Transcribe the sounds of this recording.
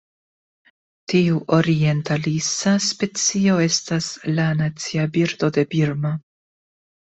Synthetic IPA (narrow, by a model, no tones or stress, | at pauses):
tiuʔo̞ɾie̞ntalisaspe̞t͡sio̞e̞staslanat͡siabiɾd̪o̞de̞biɾmo